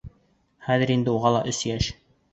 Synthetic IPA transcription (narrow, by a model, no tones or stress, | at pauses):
χæðɘ̆ɾind̪ɘuʁɑlˠɑʔɵsjæʃ